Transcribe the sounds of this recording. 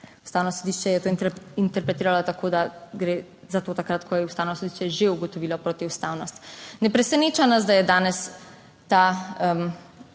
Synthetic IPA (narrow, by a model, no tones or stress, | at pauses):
ust̪awnɔsod̪iʃt͡ʃɛjɛt̪oint̪ɛɾpɾɛt̪iːɾalɔt̪akʰoːd̪aɡɾeː | zat̪oːt̪akɾat̪kʰɔjɛust̪aːwnɔsɔd̪iʃt͡ʃɛʒeuɡɔt̪ɔʋiːlɔpɾoːt̪iust̪awnɔst̪nɛpɾɛsɛneːt͡ʃanas̬d̪ajɛd̪aːnɛs | t̪aəm